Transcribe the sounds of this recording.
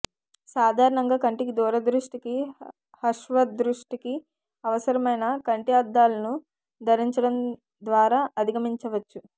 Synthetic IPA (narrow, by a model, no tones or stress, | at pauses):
saːd̪ʱaːɾɐɳɐŋɡaːkɐɳʈikid̪uːɾɐd̪ɾuʂʈiki | hɐʃʋɐd̪ɾuʂʈiki | ɐʋɐsɐɾɐmɐjnɐkɐɳʈiaːd̪ːaːlɐnu | d̪ʱɐɾiɲt͡ʃɐɽɐm | d̪ʋaːɾaːʔɐd̪ʱiɡɐmiɲt͡ʃɐʋɐt͡ʃːu